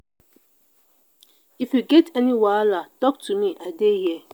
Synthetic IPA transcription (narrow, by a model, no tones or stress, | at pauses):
ifjuɡɛtʰɛniwalatɔk̚tʰumĩʔadejɛ